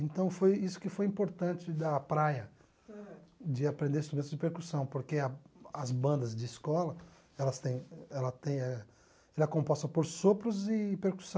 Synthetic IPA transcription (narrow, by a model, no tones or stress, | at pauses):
ẽnt̪ɐ̃w̃fojisʊ̥kɪfojĩpoɾt̪ɐ̃nt͡ʃɪd̪ɐpɾajɐ | d͡ʒɪapɾẽnd̪eɾst̪uẽt̪ʊzd͡ʒɪpeɾkusɐ̃w̃poɾkeɐɐzbɐ̃nd̪ɐzd͡ʒɪːskɔlɐ | ɛlɐst̪ẽj̃ɛlɐt̪ẽj̃ɛ | ɛlɛkõpɔst̪ɐpoɾsopɾʊzɪpeɾku̥sɐ̃